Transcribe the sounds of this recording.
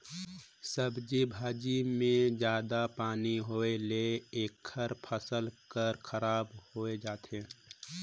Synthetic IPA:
səbd͡ʒibʱaːd͡ʒimẽd͡ʒjaːd̪apaːniɦoːeleeːkʰːəɾpʰəsəlkəɾkʰəɾaːbhoːed͡ʒaːt̪ẽː

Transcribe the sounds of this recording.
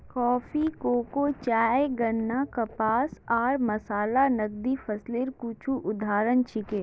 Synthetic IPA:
kɔːfikoːkot͡ʃaːjeɡɐnːakɐpaːsɔːɾmɐsaːlanɐɡ̚d̪ifʰɐsleːɾkuːt͡ʃʰuʔʊd̪ʱaːɾənt͡ʃɪkeː

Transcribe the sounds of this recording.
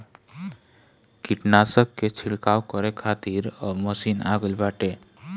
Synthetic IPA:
kiʈnasəkːet͡ʃʰiɭkawkəɾekʰat̪iɾɔməsina̰ɡəlbaʈe

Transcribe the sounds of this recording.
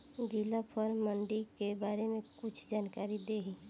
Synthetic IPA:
d͡ʒilapʰəɾməɳɖikebaːɾemekʊt͡ʃʰd͡ʒaːnkaːɾid̪eːɦi

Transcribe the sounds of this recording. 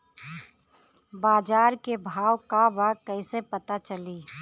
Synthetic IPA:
baːd͡ʒaːɾkebʱaːwkabəkəɪsepət̪at͡ʃəliː

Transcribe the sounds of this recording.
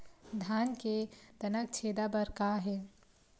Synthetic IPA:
d̪ʱaːnked̪ənək̚t͡ʃʰeːd̪abəɾkaɦɛː

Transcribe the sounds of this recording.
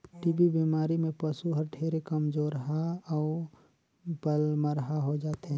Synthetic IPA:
ʈibibimaːɾimẽpəsuɦəɾʈʰeɾekəmd͡ʒoːɾɦaɔː | bəlməɾɦaɦod͡ʒaːt̪ɦɛ̃

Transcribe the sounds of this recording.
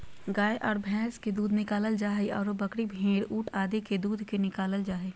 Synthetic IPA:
ɡaːeʔɔːɾbʱɛ̃ːsked̪uːd̪ʱnɪkaːləld͡ʒaːɦeɔ̰ːɾobɐkɽibʱẽːɽuːʈʰaːd̪eked̪uːd̪ʱkenɪkaːləld͡ʒaːɦeː

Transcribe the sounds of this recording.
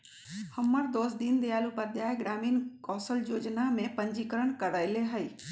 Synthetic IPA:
həmːəɾd̪oːsd̪ind̪ejaːlupəɾd̪jaːjɡɾaːmiːnkɔːsəljoːd͡ʒnamẽpəɲd͡ʒikəɾəɽ̃kəɾəɪleɦəi

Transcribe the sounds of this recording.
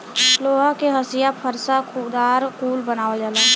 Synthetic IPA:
loɦəkeɦəsijapʰəɾsakʰud̪aɾkulbənawed͡ʒalə

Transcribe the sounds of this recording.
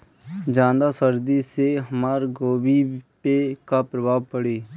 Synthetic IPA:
d͡ʒãːd̪asəɾd̪iseɦəmaːɾɡoːbipekapɾəbʱaːʋpəɽeː

